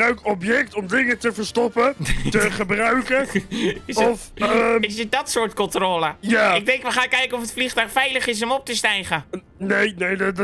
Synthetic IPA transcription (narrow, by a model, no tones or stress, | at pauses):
aɥkɔpjɛktɔmdɪŋətəvəɹstɔpətəχəbrœɥkəɪsɔfɪsədɔtsoːɹtkɔntroːləjaɪɡ̚dɛŋkʋəχaːnkɛjkənɔfətfliχtœɥxfɛjləχɪs̬əmɔp̚təstɛjχə | nejnejd